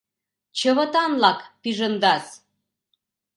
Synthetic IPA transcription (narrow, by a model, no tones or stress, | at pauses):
t͡ɕəβət̪ɑnlɑkpiʒənd̪ɑs